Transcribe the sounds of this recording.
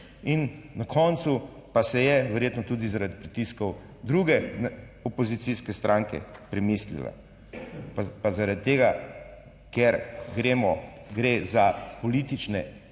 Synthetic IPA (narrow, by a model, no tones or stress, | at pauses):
innakʰɔnt̪su | pasɛjɛʋɛɾjeːt̪nɔt̪uːd̪izaɾad̪̚pɾit̪iskɔw | d̪ɾuɡɛ | ɔpɔzit̪siskɛst̪ɾʔãŋkɛ̰pɾɛmislḭla̰ | pazaɾad̪̚t̪ːeːɡa | kɛɾɡɾeːmɔɡɾezapɔliːt̪it͡ʃnɛ